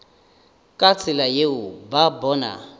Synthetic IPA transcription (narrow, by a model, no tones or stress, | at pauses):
kʼat͡sʰʼɪlajeʊbabɔna̰